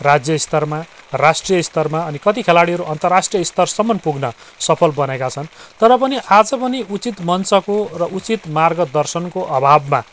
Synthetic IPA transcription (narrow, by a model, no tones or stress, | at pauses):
rad͡zjʌist̪ʌrma | rasʈrijʌist̪ʌrmaʌnikʌt̪ikʰelaɽiɦʌɾuʔʌnt̪ʌrasʈrijʌist̪ʌrsʌmʌnpuɡnʌ | sʌpʰʌlbʌnekat͡sʰʌnt̪ʌɾʌp̬ʌniʔad͡zʌpʌniʔut͡sit̪mʌnt͡sʌkorʌʔut͡sit̪marɡʌd̪ʌrsʌnkoʔʌbʱabma